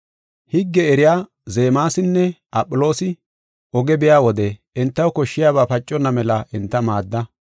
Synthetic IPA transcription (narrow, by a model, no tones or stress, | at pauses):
hɪɡːɛɛɾɪjaː | ze̞ːmaːsɪnːɛʔɐpʼːʊlo̞ːsɪ | ʔɔɡɛbɪjaːwɔd̪ɛ | ɛnt̪ːɐwkɔʃːɪjaːβaːpɐt͡ʃʼːɔnːɐmɛlɐʔɛnt̪ːɐmaːd̪ːɐ